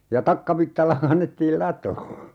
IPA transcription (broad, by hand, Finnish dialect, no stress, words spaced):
jɑ tɑkːɑʋitːɑlːɑ kɑnːetːiːl lɑtoː